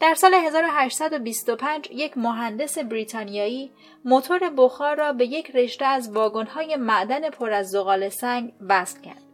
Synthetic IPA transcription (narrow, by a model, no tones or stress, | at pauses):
d̪̥æɾsɒːle̞ɦe̞zɒːɾo̞ɦæʃt̪sæd̪o̞bist̪o̞pʰænd͡ʒje̞cʰmoɦænd̪e̞se̞bɾiːt̪ʰɒːnijɒːiː | mo̞t̪ʰo̞ɾe̞boxɒːɾːɒːbe̞je̞cʰre̞ʃt̪eæzvɒːɡo̞nhɒːje̞mæʔd̪æne̞pʰo̞ɾæzːoɣɒːle̞sæŋɡvæst̪cʰæ̰ɾd̪̥